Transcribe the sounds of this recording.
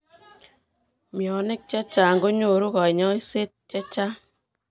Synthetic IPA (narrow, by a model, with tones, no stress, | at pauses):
mjɔ˨ne˦k̚t͡ʃa˦t͡ʃa˨ŋɡo˦ɲo˨ɾu˦kɔ˨ɲɔ˦i˦se˦t̚t͡ʃa˦t͡ʃa˦